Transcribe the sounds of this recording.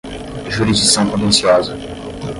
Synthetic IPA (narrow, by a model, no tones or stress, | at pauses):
ʒuɾizd͡ʒiksɐ̃w̃kõt̪ẽnsiɔzɐ